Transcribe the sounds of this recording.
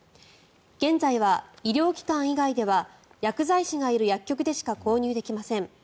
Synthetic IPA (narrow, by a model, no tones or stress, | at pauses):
ɡ̥ẽ̞nzaiβaiɾʲo̞ːkʲi̥kãɰ̃iɡaid̪e̞βa | jakɯ̟zaiɕiŋaiɾɯ̟jakʲːo̞kɯ̟d̪e̞ɕi̥kako̞ːɲ̟ʲɨːd̪e̞kʲimasẽ̞ŋ